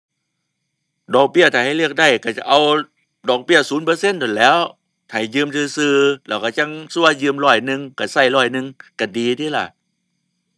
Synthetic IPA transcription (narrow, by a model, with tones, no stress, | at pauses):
dɔː˨˩k̚bi˥˩ət̪ʰaː˨˩ha˥˩jlɯ˥˩ək̚da˧˥˩jka˧˩t͡ɕa̰˨˧˩ʔa˧w | dɔː˨˩k̚bi˥˩əsuː˨˩˦npɤː˧se˥˨ndo˨˩nlɛː˦˥w | t̪ʰaː˨˩jjɯː˧mt̪ʰɯː˧sɯː˧lɛː˧˩wka˧˩t͡ɕa˧˩ŋsu˧˥˩əjɯː˧mɾɔː˧˩jnɯ˧ŋka˧˩sa˧˩jlɔː˧˩jnɯ˧ŋka˧˩diː˧t̪ʰiː˧˩la̰˧˩